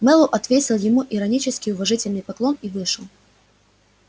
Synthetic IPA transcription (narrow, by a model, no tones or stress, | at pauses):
mɛlˠʊʔɐt̪vʲetʲɪlˠjɪmuʔɪɾɐnʲit͡ɕɪskʲɪjʊvɐʐɨtʲɪlʲnɨjpɐklˠo̞nivɨʂɨlˠ